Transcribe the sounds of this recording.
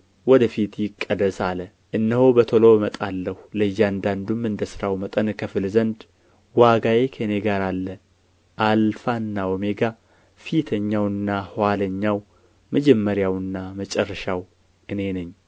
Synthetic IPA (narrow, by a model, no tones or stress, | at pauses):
wɔd̪əfit̪jɪkʼːəd̪əsalə | ʔɨnːəɦhobət̪ʰolo̞mət̪ʼalːəhləjːand̪and̪umːɨnd̪əsɨɾawmət̪ʼənkʰəfɨlzənd̪ | waɡajekʰeneɡaɾalːə | ʔalfanːawɔme̞ɡa | fit̪ʰəɲːawɨnːahwaləɲːaw | məd͡ʒɛmːəɾjawɨnːamət͡ʃʼɛrːəʃaw | ʔɨne̞nɨɲː